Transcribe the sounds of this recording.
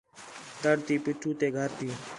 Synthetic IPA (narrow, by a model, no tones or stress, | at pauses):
t̪əɽt̪iːpɪʈʰuːt̪eːɡʱəɾt̪iː